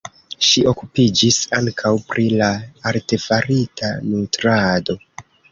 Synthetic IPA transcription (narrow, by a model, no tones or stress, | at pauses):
ʃiʔo̞kupid͡ʒisaŋkʰawpɾʔilaːɾte̞faɾitʰanutɾado̞